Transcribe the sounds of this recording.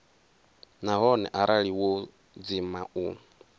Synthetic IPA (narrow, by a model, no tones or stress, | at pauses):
naɦɔnɛ̰ʔaɾʔaɺiwo | d͡zimau